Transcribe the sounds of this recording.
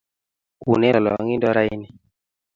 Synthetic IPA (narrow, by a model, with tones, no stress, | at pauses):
ṵ˨nɛ˦lɔ˨lɔ̰˨ŋi˦ndɔ˦ɾa˦i˦ni˨